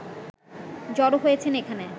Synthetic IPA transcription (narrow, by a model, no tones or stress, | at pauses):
d͡ʑɔɾoɦojet͡ɕʰenekʰane